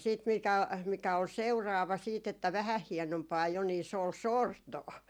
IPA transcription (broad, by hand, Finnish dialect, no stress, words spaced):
siːt mikæ mikæ ol seurɑːʋɑ siːt etːæ ʋæhæh hienompɑː jo ni se ol sortoː